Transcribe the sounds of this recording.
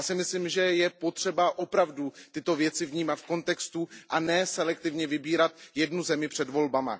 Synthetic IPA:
asɪmɪslimʒɛjɛpo̞t̪r̝̥ɛbaʔo̞pɾavdut̪ɪt̪o̞vjɛt͡sɪvɲiːmat̪fko̞nt̪ɛkst̪uʔanɛːsɛlɛk̚t̪ɪvɲɛvɪbiːɾat̪jɛdnuzɛmɪpr̝̥ɛdvo̞lbama̰

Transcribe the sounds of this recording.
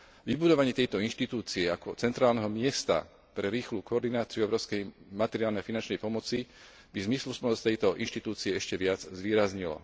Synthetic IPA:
ʋibud̪ɔʋaɲɪɛt̪ɛjt̪ɔinʃt̪it̪uːt͡siɛakɔt͡sɛnt̪ɾaːlnɛɦɔmɪɛst̪a̰ | pɾɛɾiːxluːkɔɔɾd̪inaːt͡siuɔbɾɔʊskɛjmat̪ɛɾɪaːlnɛjafinant͡ʃnɛjpɔmɔt͡si | bizmislusnɔst̪ɛjt̪ɔʔinʃt̪it̪uːt͡siɛɛʃcɛʋɪad͡zzʋiːɾazɲilɔ̰

